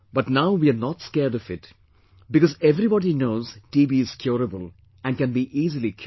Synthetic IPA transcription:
bʌʈnaʊʋiaɾnɔːʈskeːɾɖɔfɪʈ | bɪkɔːzeʋɾibɔːɖinoːzʈiːbiɪz̥kʰjoːɾəbəl | æ̃ɳɖkɛ̃nbiʔiːzilikʰ

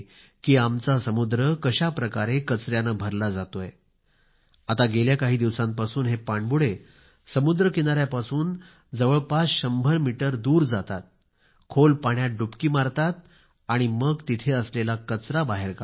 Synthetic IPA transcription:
kiːamt͡sasəmud̪ɾəkəɕapɾəkaɾekət͡sɾjanəbʱəɾlad͡zat̪oje | at̪aɡeljakaɦiːd̪iʋsãmpasuːnɦepaɳbuɽe | səmud̪ɾəkinaɾjapasuːn | d͡zəʋəɭpasɕəmbʱəɾmiʈəɾd̪uːɾd͡zat̪at̪̚ | kʰolpaɳjaɖupkiːmaɾt̪at̪̚ | aɽ̃iməɡt̪it̪ʰeəslelakət͡sɾabaɦeɾka

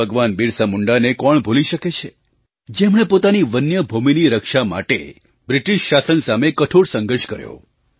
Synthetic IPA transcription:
əɡʋanbiɾsamuɳɖanekɔɳbʱoliʃəket͡ʃʰe | d͡ʒemɽ̃epot̪aniʋənjəbʱuminiɾəkʃama̰ʈḛ | bɾiʈiʃːasənsamekəʈʰoɽsə̃ŋɡəɾʃkəɾjo̰

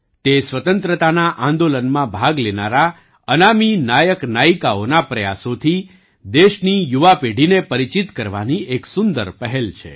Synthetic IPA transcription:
t̪esʋət̪ənt̪ɾət̪anaʔãnd̪olənmãbʱaɡlenaɾa | ənaminajəknaikaonapɾəja̰sot̪ʰi | d̪eʃnijuʋapeɖinepəɾit͡ʃit̪kəɾʋa̰nieksʊnd̪əɾpəɦɛlt͡ʃʰḛ

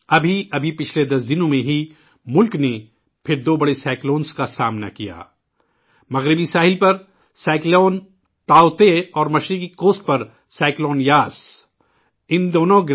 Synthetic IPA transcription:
ɐbʱiɐbʱipɪt͡ʃʰled̪ɐs̬d̪ɪnõmẽɦi | mʊlkne | pʰɪɾd̪oːbɐɽesaːɪkloːnskasaːmna̰kija̰ː | mɐɣɾɪbisaːɦɪlpɐɾ | saːɪkloːn | t̪aːʊt̪eɔːɾmɐʃɾikikoːst̪̚pɐɾ | saːɪkloːnjaːs | ɪnd̪oːnõɡ

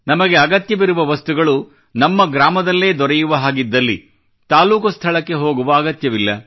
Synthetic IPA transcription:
nɐmɐɡeɐɡɐt̪jɐʋiɾuʋɐʋɐst̪uɡɐɭu | nɐmːɐɡɾaːmɐd̪ɐlːe̞ːd̪ɔɾɛjuʋɐɦaːɡid̪ːɐlːḭ | t̪aːluːkɐst̪ʰɐɭɐkːe̞ɦo̞ːɡuʋɐːɡɐt̪jɐʋilːɐ

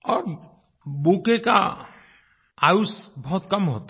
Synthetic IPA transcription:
ɔɾ | bukeka̰ | ajusbʱɔt̪kɔmɦot̪

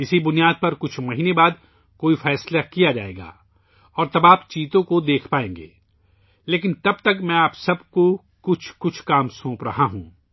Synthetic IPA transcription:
ɪsibʊnijaːd̪̚pɐɾkʊt͡ʃʰmɐɦiːnebaːd̪̚ | koːifɛːslakijad͡ʒa̰ːḛːɡa̰ː | ɔːɾt̪ɐbaːpt͡ʃiːt̪õkod̪eːkʰpaːẽːŋɡḛː | leːk̬ɪ̃nt̪ɐb̚t̪ɐkmɛ̃aːpsɐbko | kʊt͡ʃʰkʊt͡ʃʰkaːmsõːpɾɐɦaɦṵ̃ː

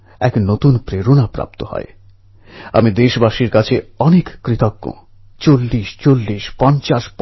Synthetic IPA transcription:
ɛknot̪unpɾeɾonapɾa̰p̚t̪ohɔ̰ḛ | a̰mid̪eʃbaʃiɾkat͡ɕʰeɔnekːɾit̪okːo̰ | t͡ɕolːiʃt͡ɕolːiʃpɔnt͡ɕaʃp

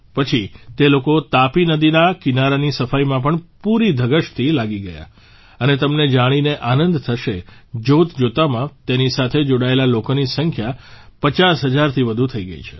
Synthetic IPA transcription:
pət͡ʃʰit̪elokot̪apinəd̪inakinaɾanisəfajmãp̬əɳpuɾid̪ʱəɡəʃt̪ʰilaɡiɡəja̰ | ənet̪əmned͡ʒaɽ̃ineʔanə̃nd̪t̪ʰəʃed͡ʒot̪d͡ʒot̪amãt̪enisat̪ʰed͡ʒoɽaelalokonisəŋkʰjapət͡ʃasɦəd͡ʒaɾt̪ʰiʋəd̪ʱut̪ʰəiɡə̰ḭt͡ʃʰe̥

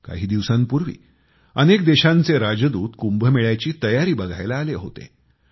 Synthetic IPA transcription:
ka̰ɦiːd̪iʋsãnpuɾʋḭː | ənek̚d̪eɕãnt͡seɾad͡zd̪uːt̪kumbʱəmeɭjat͡ɕiːt̪əjaɾiːbəɡʱa̰jlaːleɦo̰t̪ḛ

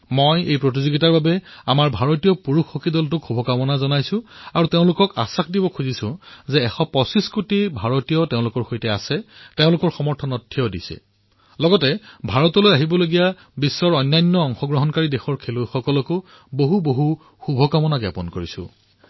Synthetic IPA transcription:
mojejpɹot̬izoɡitaɹbabɛamaɹbʱaɹɔtijɔpuɹuxːokidɔltʊkxubʱɔkamɔnazɔnajsʊ̃aɹuteʊ̃lʊkɔka̰sakʰdibɔkʰuzisʊ̃zɛːxɔpɔsiskutibʱaɹotijɔteʊ̃lʊkɔɹxojtɛasɛteʊ̃lʊkɔɹxɔmɔɹtʰɔnɔtʰːiɔdisɛ̰ | lɔɡɔtɛbʱaɹɔtɔlojaɦibɔloɡija | bisːɔɹɔjnːajnːɔɔŋxɔɡɹɔɦɔnkaɹidɛxɔɹkʰeluxɔkɔlɔkʊ | boɦuboɦu | xubʱɔkamɔnaɡja̰pɔnkoɹisʊ̰̃

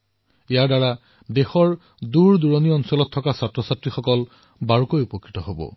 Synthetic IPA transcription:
ijaɹdaɹa | dexɔɹ | duɹduɹɔniɔnsɔlɔtʰːɔkasatɹɔsatɹixɔkɔl | baɹukojupɔkʰːi̥tɔɦobɔ̰

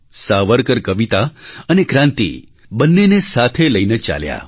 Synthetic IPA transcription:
saʋəɾkəɾkəʋit̪aənekɾãnt̪ḭ | bənːenesat̪ʰeləinet͡ʃa̰lja̰

